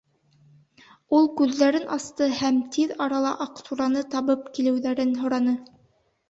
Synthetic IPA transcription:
ulˠkʉðːæɾɘnʔɑst̪ɤhæmt̪ʰiðɑɾɑlˠɑʔɑqt̪uɾɑnɤt̪ɑβɤp̚kilɘ̆wðæɾɘnɦŏɾɑnɤ

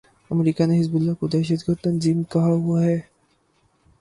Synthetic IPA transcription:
əmɾiːkaneɦɪzbʊlːakod̪ɛːʃəd̪ɡəɾt̪ənziːmkɐɦaɦuaɦɛː

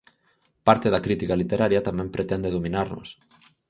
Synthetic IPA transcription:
paɾt̪eðɐkɾit̪ikalit̪eɾaɾjɐt̪amɛ̃mpɾet̪ɛnd̪eðominaɾnʊ̰s

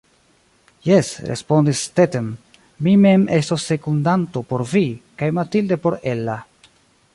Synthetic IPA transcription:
jesɾḛspo̞ndistetem | mime̞mʔe̞stosːe̞kundanto̞po̞ɾvikajmatilde̞po̞ɾelːa

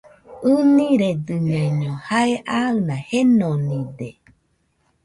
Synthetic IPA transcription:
ɯnĩɾed̪ɨɲãɲõhaeʔaɨnãhenonĩde

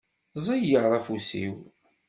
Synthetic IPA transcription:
zˤɑjjəʁɾˤɑfusḭw

